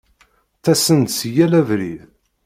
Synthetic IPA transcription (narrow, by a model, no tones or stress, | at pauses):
θæsənt̪sjælævɾið